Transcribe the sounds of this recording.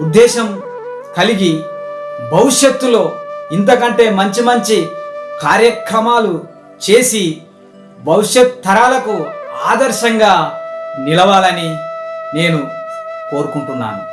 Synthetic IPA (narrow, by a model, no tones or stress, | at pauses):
ud̪ːɛːʃɐm | kɐliɡi | bɐwuʂjɐt̪ːulo̞ːint̪̬ɐkɐɳʈe̞ːmɐɲt͡ʃimɐɲt͡ʃikaːɾjɐkɾɐmaːlu | t͡ʃe̞ːsi | bɐwuʂjɐt̪t̪ʰːɐɾaːlɐkuaːd̪ɐɾʃɐŋɡaːnilɐʋaːlɐnine̞ːnuko̞ːɾukuɳʈunːa̰ːnu